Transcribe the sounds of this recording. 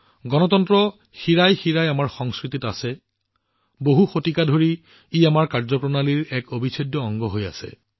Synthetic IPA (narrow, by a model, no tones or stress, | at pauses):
ɡɔnɔtɔntɹɔ | xiɹajxiɹajamaɹxɔŋskɹititasɛ | boɦuxotikadʱoɹiː | amaɹkaɹzɔpɹɔnaliɹɛkobʱisʰɔdːɔɔŋɡɔɦoja̰sɛ̰